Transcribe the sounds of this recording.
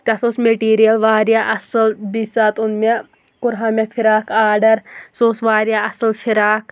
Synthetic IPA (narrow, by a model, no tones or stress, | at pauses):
t̪ɐsosmeʈiːɾijɐlʋaːɾjaʔɐsɐlbiːsaːt̪ʊnme | kʊɾɦãːmefʰɪɾaːkʰaːɾɖɐɾsoːsʋaːɾijaːɐsɐlʃʰɪɾaːk